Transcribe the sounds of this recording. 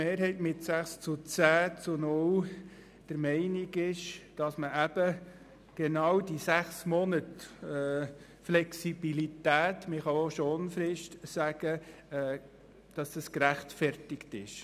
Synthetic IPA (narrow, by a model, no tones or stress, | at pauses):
meːɾɦɛɪtmɪtsæχst͡sʊt͡sæːt͡sʊnʊl | d̥əɾmɛɪnɪɡɪʃd̥ɑsməʔæb̥ə | ɡ̥enɑwd̥isæχsmɔnətɛː | flɛksib̥ilitæːtmɪχɑoʃonfɾɪʃtsæɡ̥əː | d̥ɑsd̥əskɾæχtfɛɾtɪktɪʃ